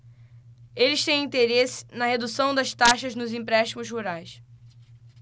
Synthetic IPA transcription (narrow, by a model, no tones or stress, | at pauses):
elɪʃt̪ẽj̃ĩnt̪eɾesɪ̥nɐhed̪usɐ̃w̃d̪ɐst̪aʃɐznʊzĩpɾɛʃt̪imʊzɦuɾajs